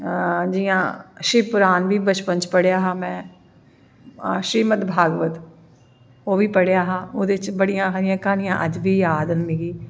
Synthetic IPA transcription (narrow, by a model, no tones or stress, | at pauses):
d͡ʒɪjãːʃɾiːpʊɾaːnʋiːbət͡ʃpəɲt͡ʃpəɽejaːɦaːmɛ̃ː | ʃɾiːmət̪bʱaːɡʋət̪ | oːʋiːpəɽjaːɦaːoːd̪et͡ʃbəɽijãːɦəɾɪjãːkaːnijãːʔəd͡ʒʋiːjaːd̪ənmiːɡiː